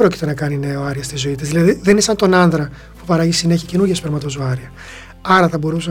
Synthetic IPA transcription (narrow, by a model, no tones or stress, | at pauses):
ɾo̞ci̥t̪e̞nɐkɐnine̞oɐɾiɐst̪izo̞it̪izðilɐðiðenisɐnt̪o̞nɐnðɾɐ | pupɐɾɐʝisine̞çice̞nuɾʝespeɾmɐt̪o̞zoɐɾiɐ | ɐɾɐθɐbo̞ɾusɐ